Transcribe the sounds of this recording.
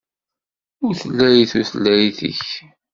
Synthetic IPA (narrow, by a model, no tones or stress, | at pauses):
ʊɾθəlːæjiθuθəlːæjiθə̰ç